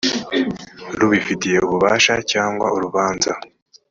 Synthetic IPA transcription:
ɾuβifitije̞uβuβaːʃacaːŋɡwa̰ʔuɾuβaːnza

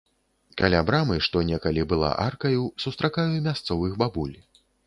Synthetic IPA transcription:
kalʲabɾamɨʂt̪ɔnʲɛkɐlʲibɨlˠa̰ʔarkɐjusust̪ɾakajumʲast̪sɔvɨxbabulʲ

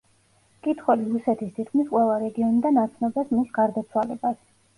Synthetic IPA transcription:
kʼit̪ʰχwɛliɾusɛt̪ʰist̪ʰit̪kʰmisqʼwɛlˠaɾɛɡiɔnid̪anːat̪sʰnɔbasmisɡ̥aɾd̪at̪sʰwalɛbas

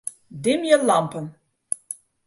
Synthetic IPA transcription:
dɪmjəlɑmpən

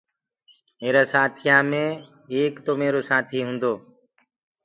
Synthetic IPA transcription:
meːɾaːsaːt̪ʰijaːmẽː | eːkt̪oːmeːɾoːsaːt̪ʰiːɦʊ̃nd̪oː

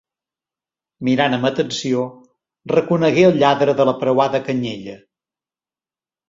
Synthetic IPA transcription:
miɾanəmət̪ənsio | rəkunəɣeəlˠʎaðɾəðələpɾəwaðəkəɲeʎə

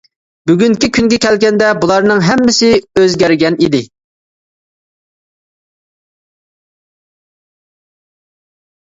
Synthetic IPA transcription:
byɡʲyŋkʲikʲʰyŋɡʲɛkʲʰɛlɡʲɛnd̪ɛbulˠɑɾnɨŋɦɛmːɪsɪøzɡʲæɾɡʲɛnid̪ɪ

